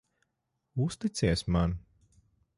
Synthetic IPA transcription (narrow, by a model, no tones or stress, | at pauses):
ust̪it̪siɛsman